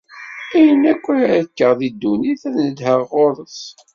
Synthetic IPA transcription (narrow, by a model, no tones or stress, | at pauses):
æjənækʷːækːəʁðid̪ːuniθæðnəd̪həʁoɾˤəθ